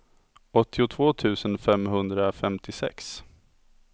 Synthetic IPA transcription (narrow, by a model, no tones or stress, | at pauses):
ʔɔt̪ʰːɪʊt̪ʰv̥oːt̪ʰʉ̟ːsənfɛmɦɵnd̪ɾafɛmt̪ʰɪsɛ̰ks